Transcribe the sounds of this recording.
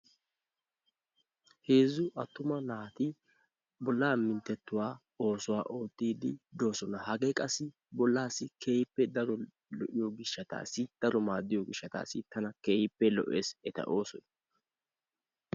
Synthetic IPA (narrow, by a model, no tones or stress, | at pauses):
heːzʊʔɐt̪ːʊmɐnaːt̪ɪ | bɔlːaːmːɪnt̪ːɛt̪ːʊwaː | o̞ːsʊwaːʔo̞ːt̪ːiːd̪ɪd̪o̞ːsɔnɐhɐɡekʼɐsːɪ | bɔlːaːsɪkʰe̞ːjɪpːɛd̪ɐɾɔ | lɔʔɪjoːɡɪʃːɐt̪a̰ːsɪd̪̥ɐɾɔmaːd̪ːɪjoɡɪʃːɐt̪a̰ːsɪt̪ɐnɐkeːjɪpːɛlɔ̰ʔeːsɛt̪ɐ̰ʔoːsɔnɐ